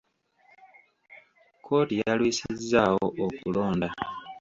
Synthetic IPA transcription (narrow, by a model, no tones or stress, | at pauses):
kʰo̞ːtijalwiːsizːawo̞ʔokulo̞ːnda